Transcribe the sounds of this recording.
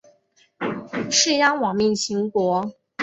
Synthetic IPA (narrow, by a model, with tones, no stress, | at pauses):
ʂɻ̩˥˩ja˥ŋwɑ˨˩ŋmi˥˩ŋɕʰi˧˥ŋkwɔ˧˥